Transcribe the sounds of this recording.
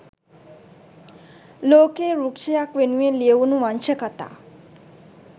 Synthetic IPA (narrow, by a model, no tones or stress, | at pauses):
lokeɾukt͡ʃəjakʋenueleʋunũʋant͡ʃəkət̪a̰